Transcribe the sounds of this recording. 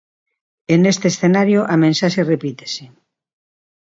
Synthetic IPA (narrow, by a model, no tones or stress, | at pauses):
enest̪eːsθenaɾjoʔamẽnsaʃerepit̪e̥se